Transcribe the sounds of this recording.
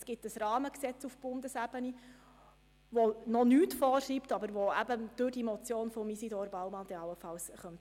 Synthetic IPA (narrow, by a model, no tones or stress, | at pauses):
sɡ̥ɪtəsrɑːməksɛt͡sufb̥ʊnd̪əsæb̥əni | ʋonɔnyːtfɔːrʃiːptɑbəɾʋoæbəd̥ʊɾdimɔt͡sjoːnfɔmisidɔːɾbɑʊmɑnd̥̪ɛɑlːəfɑlsχœnt